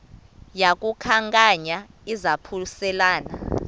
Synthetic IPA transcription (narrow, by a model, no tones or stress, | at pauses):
jak̬ʼukʰaŋkʼaɲa | izapʰusɛlaːna